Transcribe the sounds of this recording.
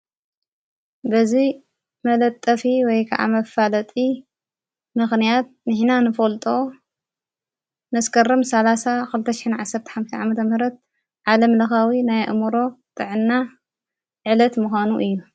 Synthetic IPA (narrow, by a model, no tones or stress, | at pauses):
bɐzi | mɐlɐt̪ʼːɐfiwɔjkʰɐ̰ʔa̰mɐfalɐt̪ʼi | mɨxnijat̪̚nɨħnanɨfolt̪ʼo̞ | nɐskʰɐrɐmsɐlasakɨlɨt̪ʰːɐʃɪ̥ħɪnʕasɐɾt̪ʰi̥ħamʃt̪iʕamɐt̪ʰɐmɨhɾɐt̪̚ | ʕalɐmlɐxawinajʔɨ̰muɾo̞t̪ʼɨʕɨnːa | ʕɨlɐt̪muxʷanuʔɨjːu